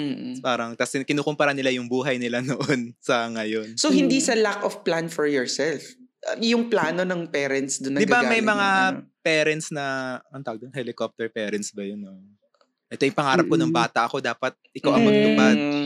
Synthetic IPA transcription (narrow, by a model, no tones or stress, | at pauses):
m̩ːpaːɾɐŋt̪ɐsɪkɪnuːkʊmpɐɾanɪlajʊŋbuːɦɐjnɪlanoʔonsɐŋɐjo̞nsohɪnd̪isɐlakɔfplanfɔɹjɔɹsɛlfʔɐjʊŋplaːno̞nɐŋpɛːɾɛnt̪sd̪ʊnːɐd̪ɪɡbamɐjmɐŋapɛːɾɛnt̪̚snɐɐnt̪aːɡ̚d̪onhɛlɪkop̚t̪ɛɹpɛːɾɐnt̪sbɐjonːo | ʔɛt̪ojɪŋpɐŋaːɾɐpkonɐŋbaːt̪ɐʔɐko̞d̪aːpɐt̪̚ʔɪkawʔɐŋmɐɡlʊbad